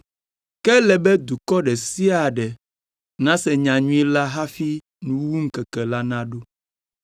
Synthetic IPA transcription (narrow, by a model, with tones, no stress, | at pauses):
kɛ˦lɛ˨bɛ˦d̪u˨kɔ˦ɖɛ˨si˦a˨ɖɛ˨ | nã˦sɛ˨ɲã˨ɲũ˦i˦la˦ɦa˦fi˦ | nũ˨wwu˦ŋ̩˦kɛ˨kɛ˨la˦nã˦ɖo˦